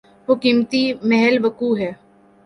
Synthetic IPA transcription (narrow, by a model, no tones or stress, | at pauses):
ʋoːkiːmt̪imɛɦɛlʋəkuːɦɛː